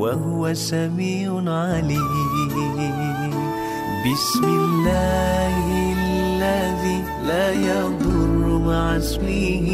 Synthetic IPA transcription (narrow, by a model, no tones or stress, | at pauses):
waɦʊwasamiːʕʊʕali | bɪsmɪlːaːh | lːa | ðiː | laːjɑd̪ˤʊrˤːʊmaʕaswiːh